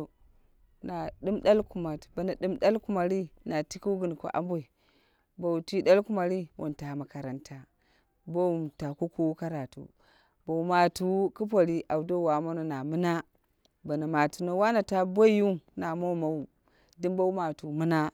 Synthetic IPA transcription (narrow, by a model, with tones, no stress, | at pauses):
na˨ɗɨ˦mɗa˦lku˨ma˨tba˨na˨ɗɨ˦mɗa˦lku˦ma˨ɾi˦na˨ti˦ku˦wɡɨ˨n˨ko̰˨ʔa̰˦m˦bo˦˨i˨ | ba˨u˨ti˦da˦lku˦ma˨ɾi˦wo̰˨nta˨ma˨ka˨ɾa˨nta˨ | bo˦u˨mta˨ku˦ku˦wka˦ɾa˨tṵ˨ | bo˨u˨˦ma˨tu˦ku˦p̬o˨ɾi˦ʔa˨wu˨do˦˨wa˨mo˦no˨na˨mɨ˦na˦ | ba˨na˨ma˨tu˨no˨wa˦na˨ta˦bo˦ju˦mna˨mo˦ma˨˦wu˨ | di˦mbo˦wu˦ma˨tu˨mɨ˦na˦